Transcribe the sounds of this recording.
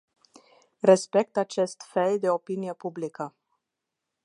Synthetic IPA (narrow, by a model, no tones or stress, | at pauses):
re̞spe̞k̚t̪at͡ʃe̞st̪feld̪e̞o̞pinije̞publikə